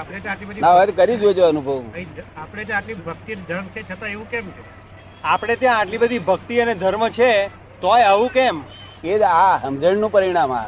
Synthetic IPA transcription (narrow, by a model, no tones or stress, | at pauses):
apɽ̃et̪jãaʈlibəd̪inaʋət̪kəɾid͡ʒod͡ʒeənubʱəʋəɦĩapɽ̃et̪jãaʈlibʱək̚t̪id̪ʱəɾmt͡ʃʰet͡ʃʰət̪aeʋũkemt͡ʃʰe | apɽ̃et̪jãːʈlibəd̪ʱibʱəkt̪iəned̪ʱəɾmət͡ʃʰe | t̪oeəʋũkem | ked͡ʒaɦəmd͡ʒəɳnũpəɾiɽ̃ama̰